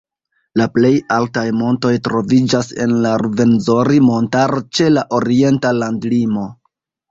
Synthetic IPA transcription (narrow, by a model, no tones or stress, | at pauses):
laple̞jaltajmo̞nto̞jtɾo̞vid͡ʒase̞̰nlaɾuve̞nzo̞ɾimo̞ntaɾot͡ʃe̞laʔo̞ɾie̞ntalandlimo̞